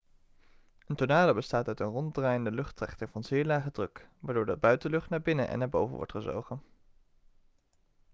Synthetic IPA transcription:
əntonaːləbəstaːtœɥtənrɔndraːjəndəlɵχtrɛ̰χtəŋvɑnz̥ɪːɹlaːχədrɵkʋaːɹdʊːɹdɑbœɥtəlɵχtnaːɹbɪnənʔɛ̰nːaːɹbowvə̰nʋɔ̰ɹtχəzo̰wχən

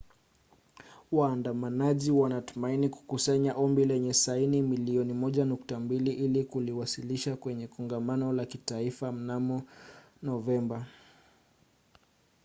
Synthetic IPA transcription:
waːndamanaʄiwanatumainiku̥kusaɲaʔɔmbilɛɲɛsainimiliɔnimɔʄanuktambiliʔilikuliwasiliʃakwɛɲɛkɔŋɡamanɔlakitaifam̩namɔ | nɔvɛmba

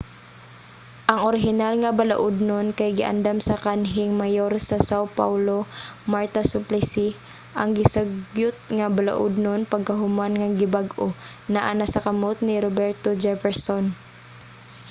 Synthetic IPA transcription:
ʔɐŋʔoɾɪɦɪnalŋɐbala̰ʔʊd̪nonkajɡɪʔa̰nd̪amsɐkanɦɪŋmajoɾsɐsawpa̰wlomaɹt̪asʊplɪsi | ʔɐŋɡɪsaɡjʊt̪̚ŋabala̰ʔʊ̰d̪nonpɐɡ̚kɐɦʊmanŋaɡɪbaɡʔo | nɐʔanasɐkɐmot̪̚nɪɾobɛɹt̪od͡ʒɛfɛɹson

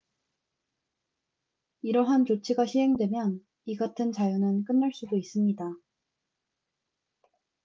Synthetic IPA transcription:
iɾʌɦant͡ɕot͡ɕʰiɡaɕʰiɦe̞ŋdwe̞mjʌn | iɡatʰɯnt͡ɕajunɯnk͈ɯnːaɭs͈udois͈ɯmɲida

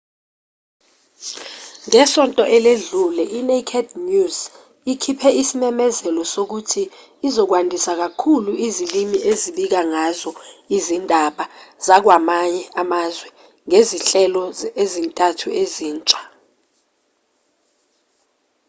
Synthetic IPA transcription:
ŋɛsɔntʼɔʔɛleɮulɛʔinekʰɛdnuz | ikʰipʰɛisimɛmɛzɛlɔsok̬utʰiː | zɔk̬wandʱisak̬akʰuluizilimiʔeziɓik̬aŋazɔizindʱaɓaz̥ak̬wamaɲɛʔamazwɛ | ŋeziɬɛlɔezintʼatʰueziːnt͡ʃʼḁ

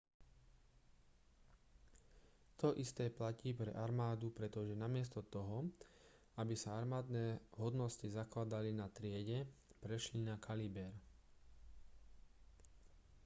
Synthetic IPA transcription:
t̪ɔʔist̪ɛːplaciːpɾɛ̰ʔaɾmaːd̪upɾɛt̪ɔʒɛnamɪɛst̪ɔt̪ɔɦɔ | abisaaɾmaːd̪nɛːɦɔd̪nɔscizaklad̪alinat̪ɾɪɛɟɛpɾɛʃlinakʰalibɛɾ

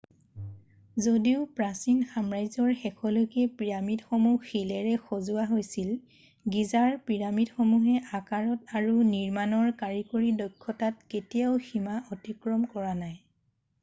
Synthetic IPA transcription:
zodiʊpɹasinxamɹajzɔɹxɛkʰɔlokɛpɹiɹamidxomuxilɛɹɛxozʊaɦojsil | ɡizaɹpɹiɹamidxomuɦɛʔakaɹɔtaɹuniɹmanɔɹkaɹikoɹidɔjkʰːɔtat̚ketijaʊximaʔɔtikɹɔmkɔɹanaj

